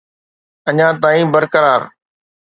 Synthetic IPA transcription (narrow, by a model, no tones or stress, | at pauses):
ɐɲãːt̪aːĩːbəɾkəɾaːɾ